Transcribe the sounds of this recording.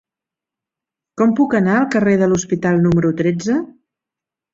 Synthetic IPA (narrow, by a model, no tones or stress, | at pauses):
kɔmpukənaəlˠkəreðəluspit̪alˠnuməɾut̪ɾed͡zə